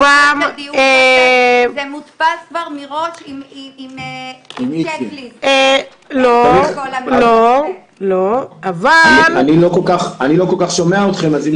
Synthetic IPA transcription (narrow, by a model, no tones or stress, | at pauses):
ame | emut̪paskvaʁmiʁoʃimiimimiilie | lo | lo | loavailanilokolkaχanilo̞kolkaχʃomeaot̪χe̞mazim